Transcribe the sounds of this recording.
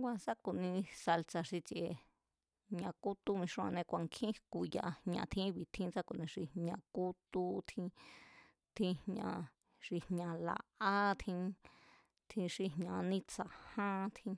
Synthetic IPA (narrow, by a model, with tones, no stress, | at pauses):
ɡʷa˧sa˦ku˨nĩ˧sa˧lt͡sa˧ʂi˧t͡ʃʔe˧ | ɲã˧ku˦t̪u˦mĩ˧ʂã̰˧nẽ˧kʷa˨˧ŋkʰĩ˦ku˧˨ja˧hɲã̰˧t̪ʰĩ˦βi˨t̪ʰĩ˦t͡sa˦ku˧˨nĩ˧ʂi˧ɲã˧ku˦t̪u˧t̪ʰĩ˧ | t̪ʰĩ˧hɲã̰˧ | ʂi˧hɲã˧la̰˧ʔa˦t̪ʰĩ˧ | t̪ʰĩ˧ʂi˧ɦɲã˧nĩ˦˧t͡sa˧˨hã˦t̪ʰĩ˧